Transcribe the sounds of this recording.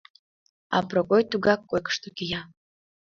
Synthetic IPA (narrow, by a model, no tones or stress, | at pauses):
ɑ̰prokojt̪uɡɑkːojkə̥ʂt̪okʲija